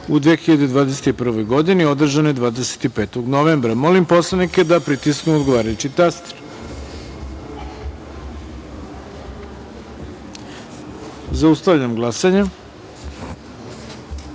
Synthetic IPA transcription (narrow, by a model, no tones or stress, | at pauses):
ud̪ʋeːxiʎad̪e̞d̪ʋaːd̪eset̪ipr̩ʋo̞jɡo̞d̪inio̞d̪r̩ʒanod̪ʋaːd̪ese̥t̪ipeːt̪oɡnoʋeːmbɾamo̞limpo̞slˠanike̞d̪apɾit̪isknuod̪ɡoʋaːɾajut͡ɕit̪ast̪ɾ | zaust̪aʋʎamɡlˠasaɲa